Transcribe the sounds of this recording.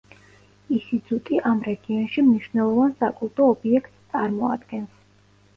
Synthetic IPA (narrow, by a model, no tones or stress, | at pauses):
isizʼut̪ʼiʔamɾɛɡiɔnʃimniʃvnɛlˠɔvansakʼulˠt̪ʼɔːbiɛkʰt̪ʼst̪sʼaɾmɔa̰d̪ɡɛns